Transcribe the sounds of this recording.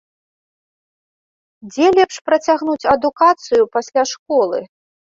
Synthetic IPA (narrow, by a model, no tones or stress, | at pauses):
d͡zʲɛlʲɛpʂpɾɐt͡sʲaɣnut͡sʲɐd̪ukat̪sɨjupasʲlʲaʂkɔlˠɨ̰